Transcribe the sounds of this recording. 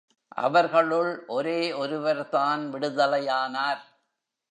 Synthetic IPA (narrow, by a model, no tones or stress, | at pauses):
ʔɐ̰ʋɐɾɣɐɭɯɭʔɔɾeːʔɔɾɯʋɐɾtaːnʋɪɽɯðɐlɐjaːnaːɾ